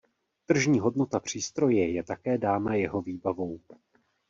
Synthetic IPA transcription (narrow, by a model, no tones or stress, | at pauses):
t̪r̩ʒɲiːɦo̞dno̞t̪apr̝̥iːst̪ɾo̞jɛjɛt̪akɛːdaːnajɛɦo̞viːbavo̞w